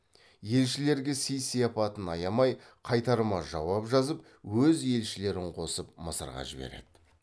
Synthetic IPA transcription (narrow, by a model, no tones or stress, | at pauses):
je̞lʃɪle̞ɾɡʲe̞sijsijɑpɑt̪ənɑjɑmɑjqʰɑjt̪ɑɾəmɑʒɑwɑpʒɑzəp̚ | wɵzje̞lʃɪle̞ɾɪɴqʰo̞səp̚məsə̰ɾʁɑ̰ʒɪbe̞̰ɾe̞̰d̪̥ɪ